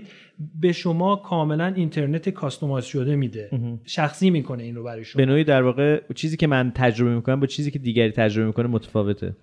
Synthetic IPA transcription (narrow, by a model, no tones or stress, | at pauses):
be̞ʃo̞mɒːkʰɒːme̞lænint̪ʰe̞ɾnet̪ʰekʰɒst̪o̞mɒzʃod̪e̞mid̪e̞ɦʃæxsiːmiːkʰo̞neiːnɾo̞bæɾɒːjeʃobe̞noːiːd̪æɾvɒːɣet͡ʃʰiːziːcʲe̞mænt̪ʰæd͡ʒɾobemikʰo̞næmbɒːt͡ʃʰiːziːcʰe̞d̪iːɟæɾiːt̪ʰæd͡ʒɾo̞be̞miːkʰo̞nemot̪ʰæ̥fɒːve̞t̪ʰḛ